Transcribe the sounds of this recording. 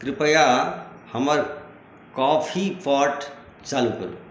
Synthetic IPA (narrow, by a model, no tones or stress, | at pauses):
kɾɪpəjahɐməɾ | kɔːpʰipɔːʈ | t͡ʃaːlukɐɾu